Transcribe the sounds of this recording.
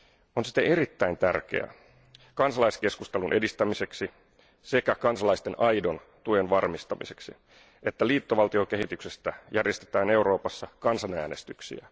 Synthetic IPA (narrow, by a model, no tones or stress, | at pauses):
o̞nsi̥t̪eeɾit̪ːæint̪ærk̟ḛæ̰ | kɑnsɑlɑiske̞skust̪elunʔe̞dist̪æmise̞ksi | sekækɑnsɑlɑist̪e̞nʔɑjdo̞n | t̪uenʋɑrmist̪ɑmise̞̥ksḭ | et̪ːæliːt̪ːoʋɑlt̪io̞ke̞ɦit̪ykse̞st̪æjærje̞st̪et̪æːneuwɾo̞ːpɑsːɑkɑnsɑnæːne̞st̪yksḭæ